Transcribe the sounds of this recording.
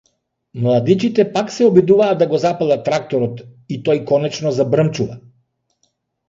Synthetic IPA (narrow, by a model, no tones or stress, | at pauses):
mlˠad̪it͡ʃit̪ɛpaksɛɔbid̪uvaːd̪d̪ːaɡɔzapalˠat̪ɾak̚t̪ɔɾɔt̪it̪ɔjkɔnɛt͡ʃnɔzabɾəmt͡ʃuva